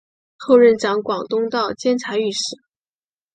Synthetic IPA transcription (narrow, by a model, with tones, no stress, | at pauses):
xo˥˧ʊɻə˥˩nʈ͡ʂɑ˧˥ŋkwɑ˨˩ŋt̪ʊ˥ŋt̪ɑ˥˩ʊt͡ɕjɛ˥nt͡sʰa˧˥ɪy˥˩ʂɻ̩˥˩